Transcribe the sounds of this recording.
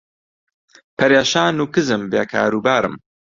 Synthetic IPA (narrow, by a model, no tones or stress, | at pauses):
pʰɐɾeːʃaːnuːkɨzɨmbḛːkʰa̰ːɾuːbaːɾɨ̰m